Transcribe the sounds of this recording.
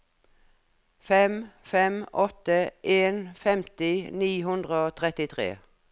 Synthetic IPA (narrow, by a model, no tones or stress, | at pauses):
fɛmfɛmʔɔt̪əʔeːnfɛmt̪ɪniːɦʉnd̪ʁəoːt̪ʰʁɛt̪ɪt̪ʰʁḛː